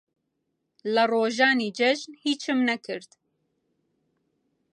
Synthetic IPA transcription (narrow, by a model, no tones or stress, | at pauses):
lɨroːʒɑːniːd͡ʒɛʒnhiːt͡ʃʰɨmnɐkʰɨɾt̪